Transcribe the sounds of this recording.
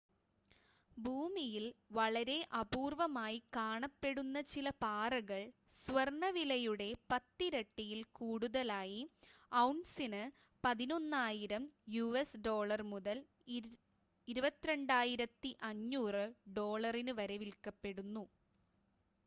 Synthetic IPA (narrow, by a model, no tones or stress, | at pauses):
bʱuːmijilʋɐɭɐɾe̞ʔɐbuːrʋɐmaːjikaːɳɐpːe̞ɽunːɐt͡ɕilɐpaːrɐɣɐɭ | sʋɐrɳɐʋilɐjuɽe̞pɐt̪ːiɾɐʈːijilkuːɽuðɐlaːjiɐwɳsinɨ | pɐðino̞nːaːjiɾɐmjuesɖo̞ːɭɐrmuðɐl | iɾubɐt̪ːiɾe̞ɳɖaːjiɾɐt̪ːiʔɐɲːuːrɨɖo̞ːɭɐrinɨʋɐɾɐʋilkɐpːe̞ɽunːu